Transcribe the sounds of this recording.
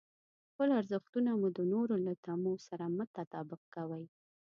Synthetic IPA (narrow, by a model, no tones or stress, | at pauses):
xpəlaɾzəxt̪unamud̪ənoɾolat̪amosaɾamət̪at̪ɑbɪq̚kawaj